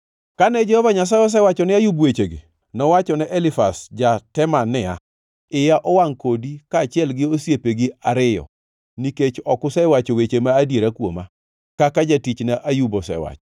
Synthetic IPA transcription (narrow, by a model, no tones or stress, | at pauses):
kanɛd͡ʒɛhɔvaɲas̬ajɔs̬ɛwat͡ʃɔnɪajubwet͡ʃeɡɪ̰ | nɔwat͡ʃɔnɛʔɛlɪfasd͡ʒatɛmanɛa̰ | ɪjaʔɔwaŋkodikaːt͡ʃɪɛlɡɪosjepeɡɪaɾɪjɔ̰ | niket͡ʃɔkʊsɛɪwat͡ʃowet͡ʃemaːdjeɾakwo̰ma | kakad͡ʒatit͡ʃnaʔajubɔsɛ̰wa̰t͡ʃɔ